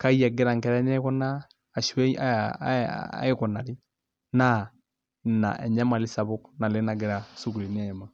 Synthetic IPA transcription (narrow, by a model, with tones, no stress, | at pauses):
ka˦i˦a˨ɡɛ˦ɾa˨ŋkɛ˨ɾɛ˦nɛ˦kɔ˦naː˦˨ | ʃwɛ˦i˦a̰˦ | e˦kɔ˨na˨li˦ | na˦ | na̰˨ʔɛ˨ɲa˦ma˨lɪ˦sa˨βʊ˦kna˨le˦na˨ɡɛ˨ɾa˨su˦ku˨ɾi˨nɛ˦˨ma˨